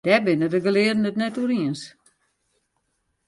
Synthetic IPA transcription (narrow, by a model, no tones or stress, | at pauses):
d̥ɛbɪnədəɡəlɪədən̩ətnɛtuəɾiəns